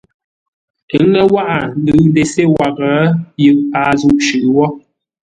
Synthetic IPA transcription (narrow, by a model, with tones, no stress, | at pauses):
ɛ˨˦ŋɛ˦wa˦ʔa˨nɨ˨˦de˨se˦wa˨kə˨˦jɨ˦˨ʔpaː˨˦zu˦˨ʔʃʉ˨ʔwɔ˦